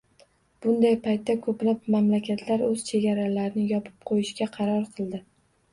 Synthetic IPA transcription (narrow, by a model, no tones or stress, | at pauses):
b̥ʊnd̪ajpʰajt̪ʰːakʰɵplap̚mamlakʲʰat̪ʰlaɾɵz̥t͡ʃʰe̞ɡʲaɾalaɾnɪjɒpʰɪ̥p̚qʰojɪʃkʲaqʰɑɾɒɾqʰɨlˠd̪ɪ